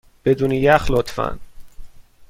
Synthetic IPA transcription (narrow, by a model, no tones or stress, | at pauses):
b̥ed̪uːnejæxlot̪fæ̰n